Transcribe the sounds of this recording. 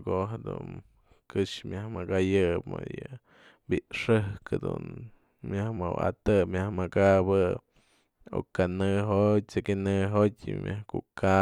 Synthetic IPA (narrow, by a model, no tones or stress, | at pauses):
koɦad̪ṵn | kɨʂmjahmakajɨpmo̰jɨ | biʔʂɨhkʰad̪ṵn | mʲjahmawa̰t̪ɨmʲjahmakabɨ | o̰kanɨɦot̚t͡sekinɨɦotʲɨ̰mʲjahkuka